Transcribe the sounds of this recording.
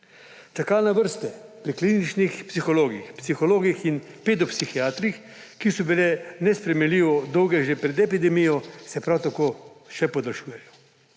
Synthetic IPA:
t͡ʃɛkaːlnaʋəɾst̪ɛpɾiklinit͡ʃnixpsixɔloːɡixpsixɔloːɡixin | peːd̪ɔpsixiaːt̪ɾix | kisɔbilɛnɛspɾɛmɛnliːʋɔd̪ɔwɡɛʒepɾɛd̪ɛpid̪ɛmijɔsɛpɾawt̪akoːʃɛpɔd̪alʃuːjɛjɔ

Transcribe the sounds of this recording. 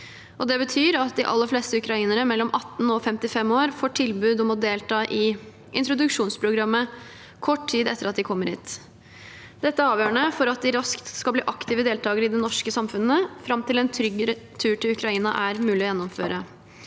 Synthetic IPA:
ʔɔd̪ɛbət̪ʰyːɾɑt̪̚d̪ɪʔɑ̰lːəfleːst̪əʉkɾɑiːnəɾəmɛlːɔmʔɑt̪ːn̩ɔfɛmt̪ɪfɛmoːɾfoːʈʰɪlbʉːd̪ɔmɔd̪eːlt̪ʰɑːʔɪ | ʔɪ̰nt̪ɾʊd̪ʉkʂuːnspʰɾʊɡɾɑmːə | kʰɔʈtʰiːd̪ɛ̰t̪ːəɾɑt̪̚d̪ɪkʰɔmːəɾḭːt̪ | d̪ɛt̪ːəɑːʋjøːəɳəfɔɾɑt̪̚d̪ɪɾɑskt̪skɑlbliːʔɑkt̪ɪːʋəd̪eːlt̪ʰɑːɡəɾəɪd̪ɛnɔʂkəsɑmfʉnəfɾɑmt̪ɪlɛnt̪ʰɾʏɡɾət̪ʰʉːʈʰɪlʉkɾɑiːnɑʔæɾmʉːlɪɔjɛnːɔmføːɾə

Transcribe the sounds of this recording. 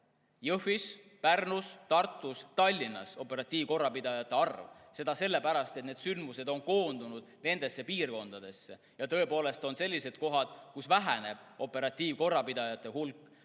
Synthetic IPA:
jɤhvis | pærnust̪ɑrt̪ːˑust̪ɑlʲːinːɑ̰so̞pːˑe̞ɾɑt̪ʲːiːvko̞rːɑpid̪ɑjɑt̪ːˑe̞ɑrvse̞d̪̥ɑse̞lːe̞pæɾɑst̪e̞t̪ne̞ːd̪̥synd̪̥muse̞d̪̥o̞nko̞ːnd̪̥unud̪̥̚ne̞nd̪̥e̞sːe̞piːrko̞nd̪̥ɑd̪̥e̞sːe̞̰ | jɑt̪ɤ̞e̞po̞ːle̞st̪o̞nse̞lʲːise̞d̪̥̚ko̞ɦɑd̪̥kusvæɦæne̞b̥̚ʔo̞pːe̞ɾɑt̪ʲːˑiːvko̞rːɑpid̪̥ɑjɑt̪ːˑe̞ɦulkːˑ

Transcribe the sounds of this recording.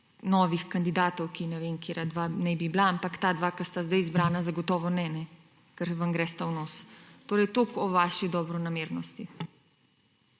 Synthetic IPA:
nɔːʋixkand̪id̪aːt̪ɔwkinɛʋenkeɾad̪ʋanɛbiblaampakt̪ad̪ʋaːkast̪azd̪ajzbɾaːnazaɡɔt̪ɔːʋɔnɛnɛ | kɛɾʋaŋɡɾɛst̪awnɔːst̪oːɾɛjt̪oːkɔʋaːʃid̪ɔbɾɔnameːɾnɔst̪i

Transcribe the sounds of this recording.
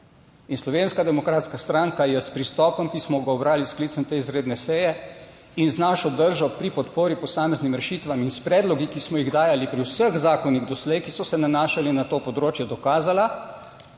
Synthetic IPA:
inslɔʋeːnskad̪ɛmɔkɾaːt̪skast̪ɾaŋkajɛspɾist̪ɔːpɔmkismɔɡaɔbɾaːliskliːt̪səmt̪eːizɾeːd̪nɛsɛjɛ | inznaːʃɔd̪əɾʒɔpɾipɔt̪poːɾipɔsaːmɛznimɾɛʃiːt̪ʋaminspɾɛːd̪lɔɡikismɔjiɣd̪aːjalipɾiwsəxzaːkɔniɣd̪ɔslɛjkisɔsɛnanaːʃalinat̪oːpɔd̪ɾoːt͡ʃjɛd̪ɔkaːzala

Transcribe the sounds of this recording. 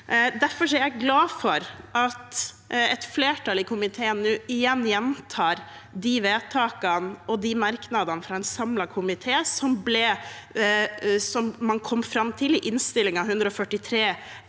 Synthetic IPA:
d̪æɾfɔʂɛɾjæɪɡlɑːfɔɾʔɑt̪ | ɛt̪fleːʈʰɑlɪkʰʊmɪt̪ʰeːənːʉːɪjɛnːjɛnt̪ʰɑːɾd̪iʋeːt̪ʰɑːkənɔd̪imɑɾknɑd̪ɑnəfɾɑɛnsɑmlɑkʰʊmɪt̪ʰeːsɔmblɛ | sɔmːɑnkʰɔmːfɾɑmːt̪ʰɪlɪʔɪnst̪ɪlːɪŋɑhʉnd̪ɾəɔfœʈːɪt̪ʰɾeː

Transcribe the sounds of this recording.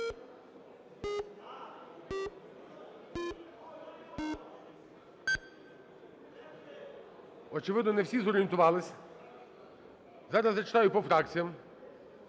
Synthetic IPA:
ɔt͡ʃɪʋɪd̪nɔnɛwsʲizɔɾʲɪjent̪ʊʋɑlˠɪsʲ | zɑɾɐzːɐt͡ʃɪ̥t̪ɑjʊpɔfɾɑkt͡sʲijɐm

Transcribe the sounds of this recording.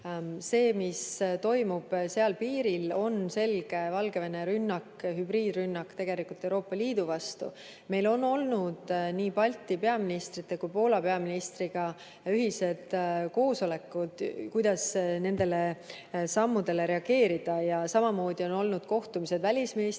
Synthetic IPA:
se̞ːmist̪o̞jmub̥se̞ɑlpiːɾilo̞nse̞lɡ̥e̞vɑlɡe̞ve̞ne̞ɾynːɑkːɦybɾiːd̪rynːɑkt̪e̞ɡ̥e̞likult̪ːˑewɾo̞ːpːˑɑliːd̪̥uvɑst̪ṵ | me̞jlo̞nːo̞lnud̪̥niːpɑlʲt̪ːˑipe̞ɑminist̪rit̪ːe̞kujpo̞ːlɑpeɑminist̪riɡ̥ɑ | yɦise̞d̪̥ko̞ːso̞le̞kːˑud̪̥kujd̪̥ɑsne̞nd̪e̞le̞ | sɑmːud̪̥e̞le̞ɾe̞ɑɡe̞ːɾid̪̥ɑjɑsɑmɑmo̞ːd̪̥io̞no̞lnud̪̥ko̞ht̪umise̞d̪vælʲisminis

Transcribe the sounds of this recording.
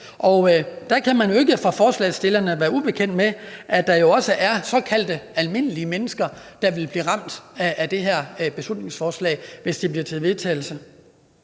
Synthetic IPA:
ʔɒ̽ʊd̥ɑ̈kʰæmænjo̝e̝ɡəfʁɑ̈fɒːslɛ̰ɪsd̥e̝lɐnəʋæːɐub̥e̝kʰen̰d̥meʔæd̥ɑ̈jo̝ɒ̽səʔæɐsɒ̽kʰæl̰d̥əælme̝n̰əliəmenəsɡ̥ɐd̥ɑ̈ʋe̝lb̥liːʁɑ̈m̰d̥æd̥e̝ɦeɐ̰b̥e̝slud̥̚ne̝ŋsfɒːslɛ̰ːɪʋe̝sd̥ib̥liɐt͡sʰe̝ʋe̝ðˠt͡sʰɛ̰ːɪl̩sə

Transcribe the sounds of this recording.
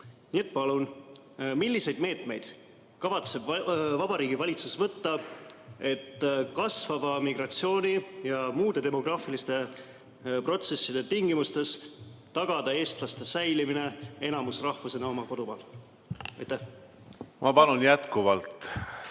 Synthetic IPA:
nʲiːe̞t̪̚ːˑpɑlun | milːise̞jd̪̥me̞ːt̪me̞jd̪̥ | kɑvɑt̪se̞bvɑbɑɾiːɡ̥ivɑlʲit̪susvɤt̪ːɑ | e̞t̪ːkɑsvɑvɑmiɡrɑt̪sio̞ːnʲijɑmuːd̪̥e̞d̪e̞mo̞ɡ̥rɑːfilist̪e̞ | pro̞t̪se̞sːid̪̥e̞t̪iŋɡ̥imust̪e̞st̪ɑɡ̥ɑd̪ɑe̞ːst̪lɑst̪e̞sæjlimine̞e̞nɑmusrɑhfuse̞nɑo̞mɑko̞d̪upɑːl | ɑ̰jt̪ːæh | mʔɑpɑnunjæt̪kuvɑlt̪

